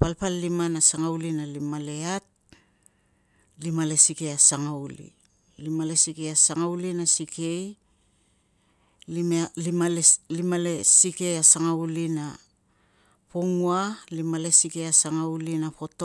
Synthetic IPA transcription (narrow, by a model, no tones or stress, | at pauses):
palpalːimanasaŋawlinalimale̞at̚ | limale̞sike̞asaŋaulḭ | limale̞sikejasaŋawlinasike̞j | lilimalelimale̞sike̞jasaŋaulina | poŋualimale̞sike̞asaŋaulinapo̞to